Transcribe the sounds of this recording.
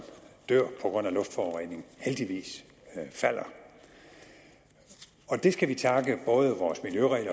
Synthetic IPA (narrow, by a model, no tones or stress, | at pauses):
d̥øɐ̰pʰɒ̽ɡ̥ʁɔ̽n̰ælɔ̽fd̥fɒːʁɛ̰ne̝ŋn̩held̥iʋḭːs | fæl̰ɐ | ɒ̽d̥e̝sɡ̥æʋit͡sʰɑ̈ɡ̥əb̥ɔ̽ːð̞ˠəʋɒːsmiljøʁɛ̰ːlɐ